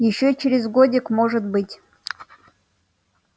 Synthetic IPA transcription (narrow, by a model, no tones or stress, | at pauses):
jɪɕːot͡ɕeɾʲɪzɡodʲɪkmoʐɨt̪̚bɨtʲ